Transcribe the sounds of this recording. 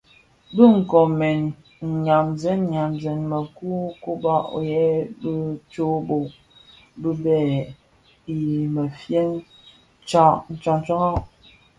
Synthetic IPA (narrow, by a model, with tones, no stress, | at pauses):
bə˦ŋ̩˨kɔ˨mɛ˨n˨ | ɲa˨mzɛ˦n˦ɲa˨mzɛ˨nmə˨ku˦ko˦ba˦ʔo̰˨jɛ˦bə˦t͡ʃo˦bo˨ | bə˦bɛ˦˨ | mə˨fje˦ŋ | t͡ʃa˦n̩˨t͡ʃa˨n˦t͡ʃa˦ŋa˦